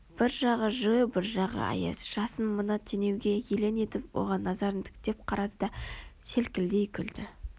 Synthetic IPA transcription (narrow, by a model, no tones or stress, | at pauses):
b̥ɪɾʒɑʁəʒʊjəbɪɾʒɑʁə̰ɑ̰jḛsʒ̥ɑsənmənɑt̪ʰene̞wɡʲe̞jele̞ne̞t̪ɪpwo̞̰ʁɑnːɑzɑɾnd̪ɪ̥kt̪e̞p̚qʰɑɾɑd̪əd̪ɑse̞lkʲɪld̪e̞jkʲʰʏld̪ɪ